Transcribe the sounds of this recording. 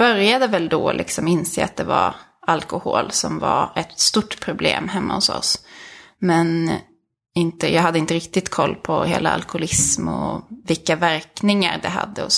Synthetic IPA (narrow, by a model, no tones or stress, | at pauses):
b̥œɾjad̪əvɛld̪ɔlʔɪksɔmɪnseːat̪̚d̪ɛvaɾ | alkʊhoːlsɔmvaɾɛt̪st̪uʈːpʰɾʊblḛːmɦɛmːahʊsɔ̰s | mɛn | ɪnt̪əjɑːɡɦad̪ːəɪnt̪əɾɪk̚t̪ɪt̪kʰɔlːpʰɔheːlaalkʊhʊlɪsmɔvɪkːavæɾknɪŋaɾɖ̪ɛɦa̰d̪ːəɔ